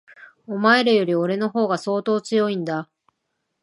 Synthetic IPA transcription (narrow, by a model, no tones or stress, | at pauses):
omaeɾɯjo̞ɾʲio̞ɾe̞no̞ɦo̞ːɡaso̞ːt̪o̞ːt͡sɨjo̞ĩnd̪a